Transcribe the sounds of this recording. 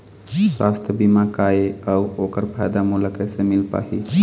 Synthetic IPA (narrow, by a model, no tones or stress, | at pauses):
swast̪ʰjəbimakaeəuokəɾpʰajd̪amuləkəsẽmilpa̰ɦi